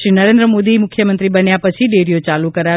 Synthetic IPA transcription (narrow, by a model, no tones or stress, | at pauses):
ɾinəɾẽnd̪ɾəmod̪imʊkʰːjəmənt̪ɾibənjapət͡ʃʰiɖeɾijot͡ʃalukəɾa